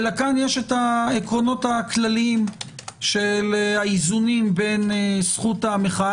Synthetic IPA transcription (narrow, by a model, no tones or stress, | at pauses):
lakanjeʃetaekʁo̞no̞taklalimʃelaizunimbe̞nesχutameχa